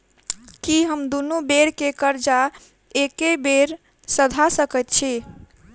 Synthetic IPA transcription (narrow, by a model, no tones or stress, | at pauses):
kiɦəmd̪unubeɾkekəɾd͡ʒa | ekebeɾ | səd̪ʱasəkət̪̚t͡ʃʰi